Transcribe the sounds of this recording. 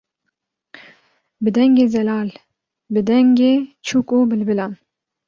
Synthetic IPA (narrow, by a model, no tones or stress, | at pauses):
bɨd̪ɛŋɡʲezɛlɑːl | bɨd̪ɛŋɡet͡ʃʰukʼobɨlbɨlɑn